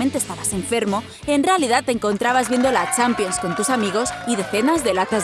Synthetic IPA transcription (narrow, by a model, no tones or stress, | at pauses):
ent̪est̪aβase̞ɱfe̞ɾmo̞ | e̞nrealiðat̪ːeŋko̞nt̪ɾaβazβjend̪olat͡ʃampjo̞nsko̞nt̪usamiɣo̞siðe̞θe̞nazðelaθaz